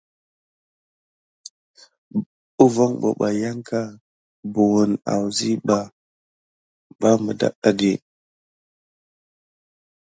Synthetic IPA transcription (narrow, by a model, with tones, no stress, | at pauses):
u˦vo˦ŋbo̰˨ɓa˨ja˦ŋka˦ | bu˨wu˨na̰˨wzi˦ɓa˨ | ba˦mə˨da̰˦ɗa˨ɡe˨